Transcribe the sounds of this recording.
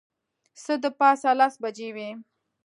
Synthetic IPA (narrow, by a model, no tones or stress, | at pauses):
səd̪əpɑsalasbad͡ʒewi